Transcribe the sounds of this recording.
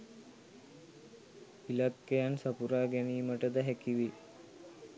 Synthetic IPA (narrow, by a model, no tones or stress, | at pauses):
ilakːejansapuɾaːɡɛniːməʈəd̪əɦɛkiʋi